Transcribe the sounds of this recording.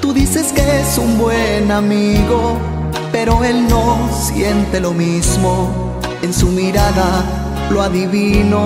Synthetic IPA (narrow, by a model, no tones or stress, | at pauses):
t̪uðise̞ske̞esumbwe̞namiɣo̞ | pe̞ɾo̞e̞lno̞sje̞nt̪e̞lo̞mizmo̞ | e̞nsumiɾaða | lo̞aðiβino̞